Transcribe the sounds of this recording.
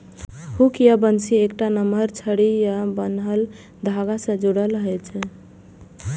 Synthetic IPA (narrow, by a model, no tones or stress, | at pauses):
hukjabənsiekʈanəməɾt͡ʃʰəɽijabənɦəl | d̪ʱaɡasə̃d͡ʒuɽələɦɛt͡ʃʰɛ